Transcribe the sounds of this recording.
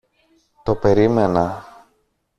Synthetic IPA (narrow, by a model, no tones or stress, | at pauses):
t̪o̞pe̞ɾime̞nɐ